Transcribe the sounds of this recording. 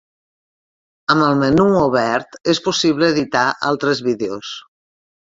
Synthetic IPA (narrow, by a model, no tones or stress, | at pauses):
əməlˠmenuoβɛɾt̪espusiβleːðit̪aʔa̰lˠt̪ɾezβiðeos